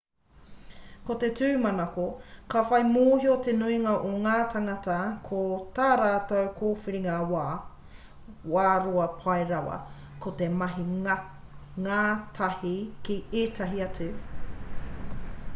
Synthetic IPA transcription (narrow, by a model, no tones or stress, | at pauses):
kot̪etʉːmɐnɐkokafɐjmoːhiot̪enuiŋɐʔoŋaːt̪ʰaŋɐtɐkʰot̪aːɾaːtɐwkʰoːfiɾiŋawaː | waːɾoɐpʰɐjɾɐwɐ̰ | kʰot̪emɐɦiŋ | ŋaːtʰɐhikieːtʰɐɦiɐtʰʉ